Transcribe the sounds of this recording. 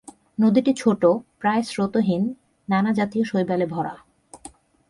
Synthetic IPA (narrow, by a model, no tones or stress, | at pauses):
nod̪iʈit͡ɕʰoʈopɾaesɾot̪oɦinː | anad͡ʑat̪ioʃojbalebʱɔɾa̰